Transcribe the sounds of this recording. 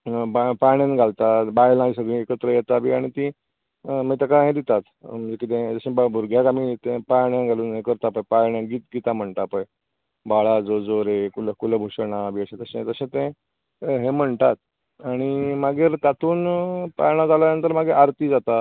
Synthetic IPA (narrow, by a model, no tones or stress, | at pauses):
bapajɽjãnɡʱalt̪abajlãsad̪ʱĩekət̪ɾəjɛt̪abiːaɽ̃it̪ĩ | mət̪akaɦẽd̪it̪at̪m̤əɳd͡zekit̪̬ẽd͡zəɕẽbabuɾɡʱjakamit̪ẽpajɳjãnɡʱaluːnɦekəɾt̪apajpajɳjãɡiːt̪ɡit̪am̤əɳʈ̪apaj | baɭad͡zod͡zoɾekulkuləbʱoɕəɳabiːaɕẽt̪əɕẽt̪əsẽt̪ẽ | ɦem̤əɳʈ̪at̪̚ | aɽ̃imaɡiːɾt̪at̪ʰuːnpa̰jɽ̃ãd͡zalanənt̪̬əɾmaɡeʔaɾt̪iːd͡zat̪a